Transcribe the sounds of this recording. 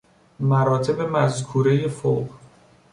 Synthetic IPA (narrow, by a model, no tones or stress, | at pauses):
mæɾɒːt̪ʰe̞be̞mæzkʰuːɾejefo̰ːɢ